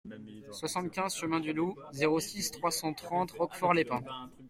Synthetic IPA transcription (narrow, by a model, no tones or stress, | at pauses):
swasɑ̃t̪kʲɛ̃zʃəmɛ̃d̪yluzeʁosist̪χwasɑ̃t̪χɑ̃t̪ʁɔkfɔʁlepɛ̃